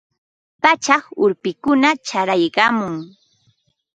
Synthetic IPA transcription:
pat͡ʃɑχʊɾpɪkʊnat͡ʃaɾajɢɑmʊŋ

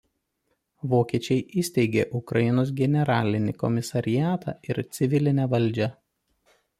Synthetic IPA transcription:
ʋoːkʲiɛt͡ʃʲɛɪʔiːsʲt̪ʲɛɪɡʲḛːʔʊkɾɐjɪnoːs̬ɡʲɛnʲɛɾɑːlʲɪnʲɪkɔmʲɪsɐɾʲɪjæːt̪ʰɑ̰ːɪɾt̪sʲɪʋʲɪlʲɪnʲɛʋɐlʲˑd͡ʒʲɛ

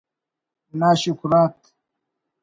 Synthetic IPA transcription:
naːɕukɾaːt̪

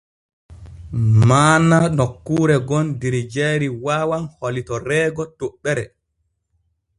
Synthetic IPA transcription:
maːnanɔkːuːɾɛɡɔndiɾid͡ʒɛɾiwaːwanholitɔɾɛːɡɔtoɓːɛɾɛ̰

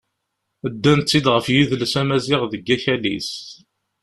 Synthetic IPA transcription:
əd̪ːænt̪t͡sːid̪ʁəfjiðlsæmæzɪʁðəɡːæçælḭs

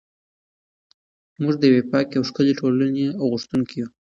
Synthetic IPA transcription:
muʐd̪əjwepɑkjawʂkəleʈolaneawɣʊʂt̪uŋkiju

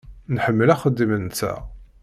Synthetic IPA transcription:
nħəmːəlæχəd̪ːimənt͡sːæ̰

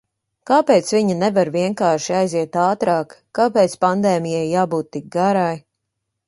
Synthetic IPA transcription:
kaːpeːt̪sviɲanɛvaɾviɛŋkaːɾʃiajziɛt̪aːt̪ɾaːkːaːpeːt̪spand̪eːmijɛjːaːbuːt̪ːik̚ɡaɾaj

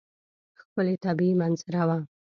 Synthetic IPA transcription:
xpəlet̪abiimanzɪɾawa

